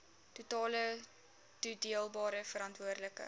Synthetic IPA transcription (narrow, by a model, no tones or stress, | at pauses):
tutɑːlə | tudiəlˠbɑːɾəfəɾɐntvuərdləkə̰